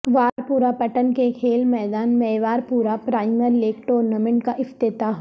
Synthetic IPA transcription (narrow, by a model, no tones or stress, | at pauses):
ʋaːɾpuːɾapɐʈənkekʰeːlmɛːd̪aːnmɛːʋaːɾpuːɾapɾaːɪməɾleːkʈoːɾnamẽɳʈkaʔɪft̪ɪt̪aɦ